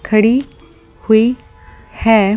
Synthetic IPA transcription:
kʰəɽi | hui | hɛ

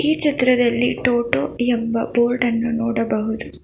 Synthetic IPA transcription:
iːt͡ʃɐt̪ɾɐd̪ɐlːḭʈoːʈoːembɐboːlʈɐnːunɔːɽɐbɐɦud̪u

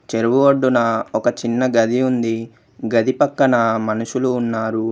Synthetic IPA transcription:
t͡ʃeɾuʋuʋɐɖːunɐɔkɐt͡ʃinːɐɡɐd̪iund̪i | ɡɐd̪ipɐkːɐnɐmɐnuʃuluːnːaːɾu

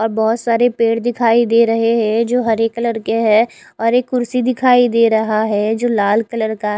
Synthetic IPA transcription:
ɔːɾbɔɦʊt̪saːɾepeːɽd̪ɪkʰaːid̪eːɾɐɦeɦɛ̃d͡ʒoːɦɐɾeːkːələɽkeɦɛ | ɔːɾeːkːʊɾsid̪ɪkʰaːid̪eːɾɐɦaɦɛd͡ʒoːlaːlkɐləɾkaɦ

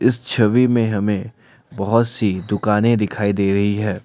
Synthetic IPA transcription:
ɪst͡ʃʰɐʋimẽɦɐmẽ | bɐɦʊt̪sid̪ʊkaːnẽd̪ɪkʰaːid̪eːɾɐɦiɦɛː

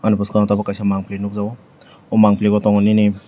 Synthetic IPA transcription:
anubɔskanɔtʰabakajsamaŋplenuk̚zaw | ɔmaŋpleɡɔtɔŋnini

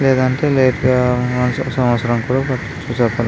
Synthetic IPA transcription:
lɛːd̪ɐɳʈe̞ːleːʈːɐnɐssɐmʋɐt̪sɐɾɐmkuːɽaːpɐʈː | t͡ʃuːsɐpɐl

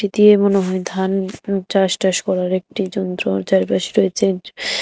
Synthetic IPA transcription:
id̪iemoneɦojd̪ʱant͡ɕaʃʈaʃkɔɾaɾek̚ʈid͡ʑɔnt̪ɾod͡ʑaɾipaʃi̥ɾojet͡ɕʰe

